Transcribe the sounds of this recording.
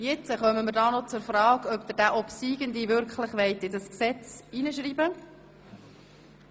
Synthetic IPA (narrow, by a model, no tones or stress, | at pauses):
jɪt͡səχœməmɪɾdɑːnɔt͡sʊɾfrɑːɡœpd̪əd̥æʔɔpsiːɡənd̪ivʏɾkχləχʋɛɪtɪdəsksɛt͡sinəʃ̬ɾiːbə